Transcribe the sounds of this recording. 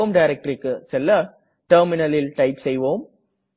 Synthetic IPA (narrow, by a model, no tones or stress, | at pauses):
mɖɐɪɾɛk̚ʈɾɪkːɯsɛlːɐ | ʈɐɾmɪnɐlɪlʈɐɪpsɛjʋoːm